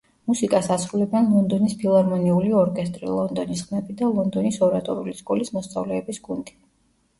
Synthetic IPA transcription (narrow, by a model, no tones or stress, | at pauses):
musikʼasasɾulɛbɛnlˠɔnd̪ɔnispʰilˠaɾmɔniuliɔɾkʼɛst̪ʼɾḭlˠɔnd̪ɔnisχmɛbid̪alˠɔnd̪ɔnisɔɾat̪ʼɔɾṵliskʼɔlismɔst̪sʼa̰vlɛːbisɡund̪i